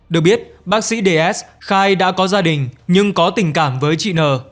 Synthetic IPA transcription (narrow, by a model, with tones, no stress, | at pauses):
ɗɨ˨˩ək̚ɓi˦˥ət̚ɓaː˦˥k̚sḭ˧˥ɗe˧ʔɛ˦˥sxaː˧jɗa̰ː˧˥kɔ˨˦zaː˧ɗï˨˩ŋ̟ɲɨ˧ŋkɔ˨˦t̪ï˨˩ŋ̟kaː˧˩mvəː˨˦jt͡ɕḭ˧˨nəː˨˩